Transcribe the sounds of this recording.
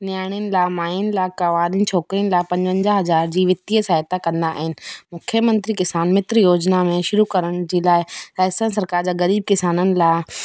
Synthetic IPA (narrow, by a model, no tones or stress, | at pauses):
nɪjaːɽ̃iənɪ̆laːmaːɪənɪ̆laːkaʋaːɾin̆t͡ɕʰoːkɾiənɪ̆laːɪpɐ̃ɲd͡ʑə̃ɲd͡ʑaɦɐzaːɾd͡ʑiːʋɪt̪iːsaːɦɪt̪akɐ̃nd̪aʔa̰ːɦɪnɪ̆mʊkʰjəmɐ̃nt̪ɾikɪsaːnmɪt̪ɾjoːd͡ʑnamẽʃʊɾukɐɾəɽ̃d͡ʑeːlaːɪsaːsənsɐɾkaːɾd͡ʑaːɣɐɾiːb̚kɪsaːnənɪ̆laːɪ